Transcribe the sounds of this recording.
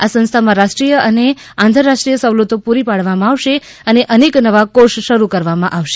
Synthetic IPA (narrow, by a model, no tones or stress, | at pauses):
asə̃nst̪ʰamãɾaʃʈɾijəəne | ãnt̪ʰəɾːaʃʈɾijəsəʋlot̪õpuɾipaɽʋamãːʋʃe | əneʔəneknəʋakoʃʃəɾukəɾʋamãʔaʋʃe̥